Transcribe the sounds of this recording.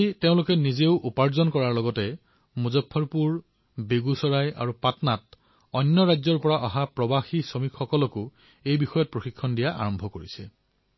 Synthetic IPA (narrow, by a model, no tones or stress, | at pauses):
iteʊ̃lʊkɛnizeʊʔupaɹzɔnkɔɹaɹlɔɡɔtɛ | muzɔpʰːɔɹpuɹ | beɡusɔɹaja̰ɹupatnat̚ | ɔnːɔɹajzɔɹpɔɹaʔɔɦapɹɔbaxisɔmikxɔkɔlɔkʊ | ejbixɔjɔt̚pɹoxikʰːɔndijaʔa̰ɹɔmbʱɔkoɹisɛ